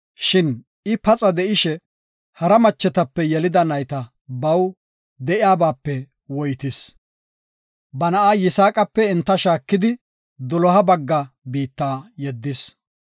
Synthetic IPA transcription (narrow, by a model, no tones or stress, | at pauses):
ʃɪn | ɪpɐt͡sʼɐd̪ɛʔɪʃɛ | hɐɾɐmɐt͡ʃːɛt̪ɐpːɛjɛlɪd̪ɐnɐjt̪ɐ | bɐw | d̪ɛʔɪaːbaːpːɛ | wɔjt̪ɪs | bɐnɐʔaːjɪsaːkʼɐpːɛɪnt̪ːɐʃaːkːɪd̪ɪ | d̪ɔlɔɦɐbɐɡːɐbiːt̪ːaːjɛd̪ːɪs